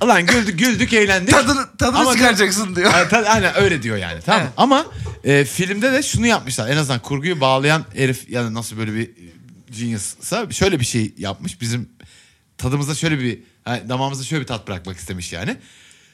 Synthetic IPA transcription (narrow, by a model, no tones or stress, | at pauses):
alˠanɟylʲd̪yɟylʲd̪yce̞jlʲænd̪id̪t̪ʰad̪ɯamakaɾd͡ʒaksɯnd̪ijot̪ʰaajnæø̞jlʲɛd̪ijo̞ja̰ːnɪt̪ʰamamaɛːfilʲimd̪ɛd̪ɛʃunujap̚mɯʃlˠaɾe̞naznd̪ankʰuɾɡujubaːlˠajaneɾifjad̪anasɯlˠbø̞jlʲɛbid͡ʒinɯssaʃø̞jlʲɛbiʃejja̰p̚mɯʃbizim | t̪ʰad̪ɯmɯzaʃø̞jlʲɛbi | hand̪amaːmɯzaʃøjlʲɛbit̪ʰat̪̚bɯɾa̰k̚maki̥st̪ʰe̞miʃja̰ːnɪ